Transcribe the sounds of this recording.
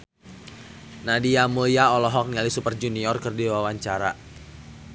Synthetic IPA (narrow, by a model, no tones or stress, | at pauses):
nadiamuiaɔlɔɦɔk̚nialisupərd͡ʒuniɔrkɨrdiwawaɲt͡ʃaɾa